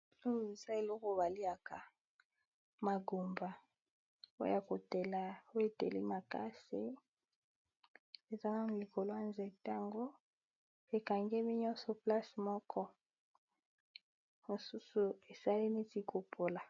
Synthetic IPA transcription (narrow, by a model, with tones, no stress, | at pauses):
o˦˨e˨za˦e˨lɔ˦ko˨ba˨li˦a˨ka˨ | ma˨ɡo˨mba˨ | o̰˦ja˨ko˨te˨la˨o˦e˨tḛ˨li˦ma˨ka̰˦si˨ | e˨za˦na˦n˨li˨ko˨lo˦a˦˨nzɛ˨ta˦ŋɡo˦ | e˨ka˨ŋɡe˦mi˦ɲɔ˦sɔ˨pla˦smɔ˦kʰɔ˦ | mo˨su˦su˨e˨sa˦li˦ne˦ti˨kʰo˨pʰo˨la˨